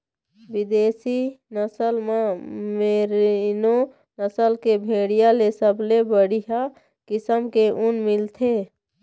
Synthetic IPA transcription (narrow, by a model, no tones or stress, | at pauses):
bid̪eːsinəsəlmameɾno | nəsəlkebʱeɽijalesəbʱlebəɽiɦa | kɪsəmkeʔunmɪlt̪ʰe